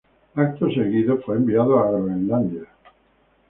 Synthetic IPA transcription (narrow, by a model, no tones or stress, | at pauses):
ak̚t̪oseɣiðofweːmbiaðoaɣoinland̪ja